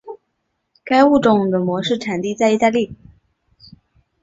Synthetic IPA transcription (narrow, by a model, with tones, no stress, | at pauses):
ka˥ɪu˥˩ʈ͡ʂʊ˨˩ŋd̪ə˩mwɔ˧˥ʂɻ̩˥˩ʈ͡ʂʰa˨˩nt̪i˥˧t͡sa˥˧ɪi˥˩t̪a˥˧li˥˩